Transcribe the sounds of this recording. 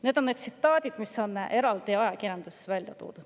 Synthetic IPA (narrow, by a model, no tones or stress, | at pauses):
ne̞ːd̪̥onːed̪sit̪ːˑɑːd̪ʲid̪̥miso̞ne̞ɾɑld̪̥iɑjɑkiɾjend̪esvælʲjɑ̰t̪o̰ːd̪̥u̥